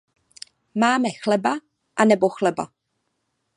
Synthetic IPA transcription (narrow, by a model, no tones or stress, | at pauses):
maːmɛxlɛba | ʔanɛboxlɛba̰